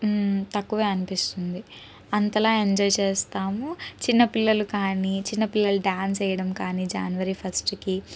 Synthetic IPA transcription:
t̪ɐkːuʋeːɐnipist̪und̪i | ɐnt̪ɐlaːeɲd͡ʒɔːjt͡ʃe̞ːst̪aːmut͡ʃinːɐpilːɐlukaːnit͡ʃinːɐpilːɐluɖjaːns̬ɐjɐɽɐmkaːniːd͡ʒa̰ːnuʋɐɾipʰɐsʈki

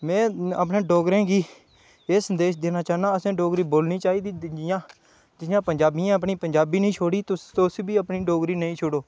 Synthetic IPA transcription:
mɛ̃ːə̰p̬nẽːɖoːɡɾẽːɡiː | eːsənd̪eːʃd̪eːnaːt͡ʃaːnãːəsẽːɖoːɡɾiːboːlniːt͡ʃaːiːd̪iːɪd͡ʒɪjãː | d͡ʒɪjãːpəɲd͡ʒaːbijãːəpɳiːpəɲd͡ʒaːbiːnəĩːt͡ʃʰoːɽiːt̪ʊt̪ːsbiːəpniːɖoːɡɾiːnəĩːt͡ʃʰoɽoː

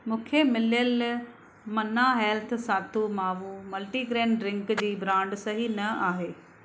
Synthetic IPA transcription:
mũːkʰemɪljəl | mɐnaɦeːlt̪ʰsaːt̪ʰumaːʋũmɐlʈiɡɾeːɳɾɪ̃ŋkd͡ʑiːbɾãːɳɖsɐɦinɐaːɦeː

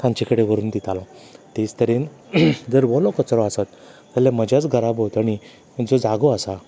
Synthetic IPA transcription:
kʰãɲt͡ɕikəɽeʋəɾuːnd̪it̪alɔ̃t̪it͡st̪əɾin | d͡zəɾʋɔlɔkət͡sɾɔasat̪ː | alãməd͡ʑjat͡sɡʱəɾabɦot̪aɽi | d͡zɔd͡zaɡɔasa

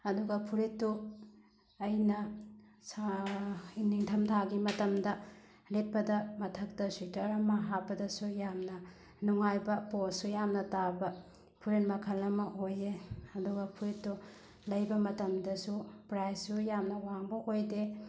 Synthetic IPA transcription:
ɐduɡɐpʰuɾitːu | ɐjnɐs | iniŋtʰɐmtʰaɡimɐtɐmdɐ | let̚pɐdɐmɐtʰɐk̚tɐswitɐɾɐmɐɦapːɐdɐsujamnɐ | nuŋajbɐposujamnɐtabɐ | pʰuɾet̚mɐkʰɐlɐmɐʔojeɐduɡɐpʰuɾitːu | lɐjbɐmɐtɐmdɐsupɾajsːujamnɐwaŋbɐʔojde

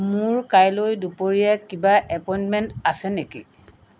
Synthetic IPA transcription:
mʊɹkajlojdupoɹijakibaʔɛpɔjnmɛntasɛnekḭ

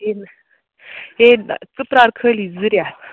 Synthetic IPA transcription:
en | ɦent͡sɨpɾaɾkʰəlid͡zɨɾja

